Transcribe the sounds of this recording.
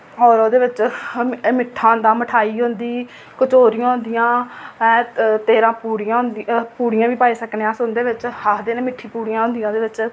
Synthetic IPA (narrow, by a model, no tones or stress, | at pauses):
ɔːɾoːd̪eːʋɪt͡ʃ | mɪʈʰːãːd̪ãːməʈʰaːiːɦõːnd̪iː | kʊt͡ʃoːɾĩjãːɦʊ̃nd̪ɪjãːɛt̪eːɾãːpuːɾjãːɦʊnd̪puːɽijãːʋiːpaːiːsəkneːãːsʊnd̪eːʋɪt͡ʃhaːkʰd̪eːnẽmɪʈʰːiːpuːɽijãːɦʊ̃nd̪ijãːd̪eːʋɪt͡ʃ